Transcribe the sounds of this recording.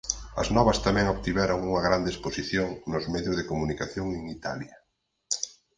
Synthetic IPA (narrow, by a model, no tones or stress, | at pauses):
ɐ̰znɔβɐst̪amɛ̃ŋoβt̪iβɛɾoŋuŋɐɣɾand̪esposiθjoŋnʊzmɛðjʊzðekomunikaθjoŋeŋit̪a̰ljɐ